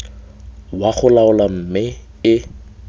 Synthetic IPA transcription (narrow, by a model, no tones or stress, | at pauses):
waχʊlaʊlam̩mɪ | ɪ